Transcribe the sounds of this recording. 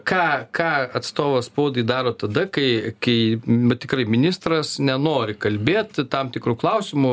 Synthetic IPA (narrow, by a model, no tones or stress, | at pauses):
kɑːkɑːɐt̪st̪oːʋoːspoːd̪ɐɪd̪ɑːɾoːt̪ɐd̪ɐkɐɪkɐɪɐt̪ʲɪkɾɐɪmʲɪnʲɪst̪ɾɐsnʲɛnoːɾʲɪkɐlʲbʲeːt̪t̪ɐmt̪ʲɪkɾuːklˠɐʊsʲɪmʊ